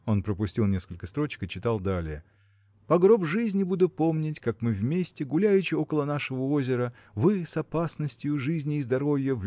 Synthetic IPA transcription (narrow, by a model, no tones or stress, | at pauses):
o̞npɾəpʊsʲtʲilˠnʲe̞skəlʲkəst̪ɾo̞t͡ɕɪ̥kɨt͡ɕɪt̪alˠd̪alʲɪjə | pɐɡɾo̞bʐɨzʲnʲɪbud̪ʊpo̞mnʲɪtʲkakmɨvmʲesʲtʲɪɡʊlʲæjʉt͡ɕɪo̞kəlˠənaʂɨvəo̞zʲɪɾə | vɨsɐpasnəsʲtʲjʊʐɨzʲnʲɪːzd̪ɐɾo̞vʲjəv